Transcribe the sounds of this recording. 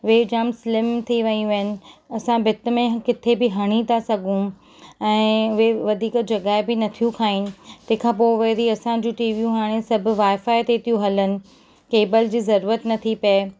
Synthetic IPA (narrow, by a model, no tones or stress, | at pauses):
ʋeːd͡ʑaːmsɪlɪmt̪ʰiʋɐĩʋɐɦənɪ̆ɐsãbɪt̪̆mẽkɪt̪ʰebɪɦɐɽ̃it̪asɐɡʱũ | ɛ̃ːʋeʋɐd̪ʱiːkd͡ʑɐɡaːɪbɪnɐt̪ʰijũkʰaːɪnɪ̆t̪ɐ̃ɦɪ̃kʰãːp̬oɪʋɐɾiɐsãd͡ʑũʈiːʋijũɦaːɽ̃esɐbʱʊ̆ʋaːɪfaːɪt̪et̪ʰijũɦɐlənɪ̆ | keːbəld͡ʑiːzɐɾuːɾət̪nɐt̪ʰipɐe